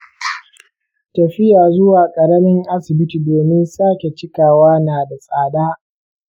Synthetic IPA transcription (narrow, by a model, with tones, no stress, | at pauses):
tɐ˨ɸɪ˦jaː˨zʊ˦waː˨kʼɐ˨ɾɐ˦mɪ˦ŋʔa˦sɪ˨bɪ˦ti˨doː˨mɪ˦nsaː˦kʲe˨t͡ʃɪ˦kaː˨waː˦naː˨da˨sʼaː˨daː˦